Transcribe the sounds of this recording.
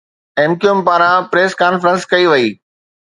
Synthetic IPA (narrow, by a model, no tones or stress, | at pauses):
ẽːmkijʊmpaːɾãpɾeːskaːnfɾə̃nskɐiʋɐiː